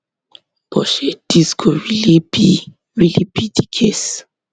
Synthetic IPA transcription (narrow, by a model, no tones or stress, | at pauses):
b̥ɔʃed̥iskʰowilibi | wilibidikʰes